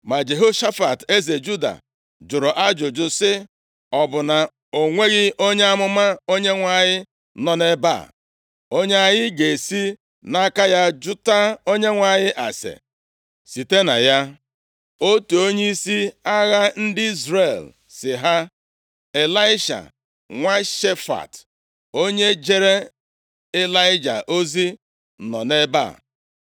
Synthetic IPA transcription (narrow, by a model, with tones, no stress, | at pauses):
ma˨d͡ʒe˨ɦo˦ʃa˦fa˨te˦ze˨d͡ʒu˦da̰˨ | d͡ʒʊ˨ɾʊ˨ʔa˦d͡ʒʊ˨d͡ʒʊ˦sɪ˦ | ɔ˨bʊ˨na˨ | o˨ŋʷe˦ɣɪ˦ʔo˦ɲe˦a˦mʊ˦ma˦o˦ɲe˦ŋʷa˨ɲɪ˦ | nɔ˦ne˦ba̰˦˨ | o˦ɲe˦a˦ɲɪ˦ɡe˨e˨si˦ | na˦ka˦ja˦d͡ʒʊ˦ta˦o˦ɲe˦ŋʷa˨ɲɪ˦ʔa̰˨sḛ˨ | si˨te˦na̰˨ja˦ | o˦tu˨o˦ɲe˦i˦si˦a˦ɣa˦n̩˦dɪ˦i˦zɾe˨l | sɪ˨ɦa˦ | e˨la˦ɪ˦ʃa̰˨ | ŋʷa˦ʃe˦fa̰˨t | o˦ɲe˦d͡ʒe˦ɾe˦ | e˦la˦ɪ˦d͡ʒa̰˨ʔo˦zi˦˨ | nɔ̰˨ne˦ba̰˦˨